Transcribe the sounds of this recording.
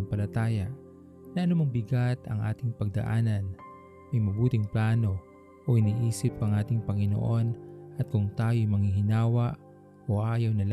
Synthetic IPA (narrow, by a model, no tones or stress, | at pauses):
ŋpɐlɐt̪aːjɐʔ | nɐʔɐnumɐŋbɪɡat̪ɐ̰ŋʔa̰ːt̪ɪŋpɐɡ̚d̪ɐ̰ʔaːnɐn | mɐjmɐbuːt̪ɪŋplaːno̞ | ʔoʔɪniːʔiːsɪp̚kɐŋʔaːt̪ɪŋpɐŋɪno̰ʔo̞nʔɐt̪̚kʊŋt̪aːjojmɐŋiɦɪnaːwɐʔ | oʔaːjɐwnɐl